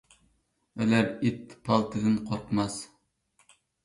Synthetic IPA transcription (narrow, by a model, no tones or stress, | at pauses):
ɛlæɾet̪ʰːpʰɑlˠt̪ʰɨd̪ɨnqʰoɾt̪mɑs